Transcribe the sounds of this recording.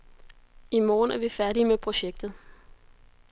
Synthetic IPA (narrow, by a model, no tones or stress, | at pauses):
imɒːnæɐʋifæɐɾimepʰʁo̝ɕeɡ̥̚d̥ð̩ˠ